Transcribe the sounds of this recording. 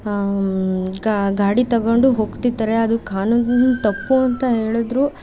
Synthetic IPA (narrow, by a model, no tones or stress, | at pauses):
ɡaːɽit̪ɐɡoɳɖuɦoːɡt̪id̪ːɐɾe̞ɐd̪ukaːnunut̪ɐpːuɐnt̪ɐɦe̞ːɭud̪ɾuː